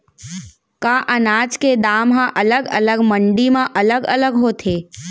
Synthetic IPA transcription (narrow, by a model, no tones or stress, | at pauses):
kaʔənaːd͡ʒked̪aːmɦãʔɐləɡə̰ləɡmə̃ɳɖimãʔɐləɡələɡɦoːt̪ʰeː